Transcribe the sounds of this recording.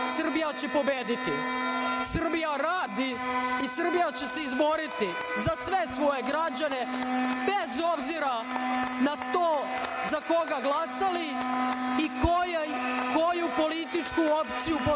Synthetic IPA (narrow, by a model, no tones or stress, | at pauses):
sr̩bijat͡ɕe̞po̞beːd̪it̪ḭsr̩bijaɾaːd̪iː | sr̩bijat͡ɕe̞seizbo̞ɾit̪i | zasʋe̞sʋo̞je̞ɡɾad͡ʑane̞bezo̞bziɾanat̪oːzako̞ɡaɡlasali | ikojejkojupo̞lit̪it͡ʂkuopt̪sijupo